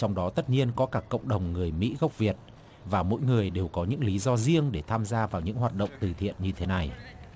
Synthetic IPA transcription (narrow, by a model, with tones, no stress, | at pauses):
t͡ɕɔ˧wŋ͡mɗɔ˨˦t̪ə˦˥t̚ɲi˧ənkɔ˨˦kaː˦˥˩kːə̰˧˨wŋ͡mɗə˨˩wŋ͡mŋɨ˨˩əjmḭ˧˥ɣa˦˥wk͡p̚vi˨˩ət̚ | vaː˨˩mo̰˧˥jŋɨ˨˩əjɗe˨˩wkɔ˨˦ɲɨ̰˧˥ŋli˨˦zɔ˧zi˧əŋɗe˧˩t̪ʰaː˧mzaː˧vaː˨˩wɲɨ̰˧˥ŋɦaː˨˩t̚ɗə̰˧˨wŋ͡mt̪ɨ˨˩t̪ʰḭ˧˨ənɲɨ˧t̪ʰe˨˦na˨˩j